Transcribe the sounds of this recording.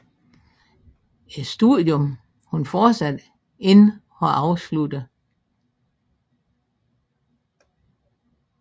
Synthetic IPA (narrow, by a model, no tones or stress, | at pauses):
isd̥uðˠjom | hunfɒ̥ːsæd̥ | e̝n | ɒ̽ʔɑ̈ʊslud̥ə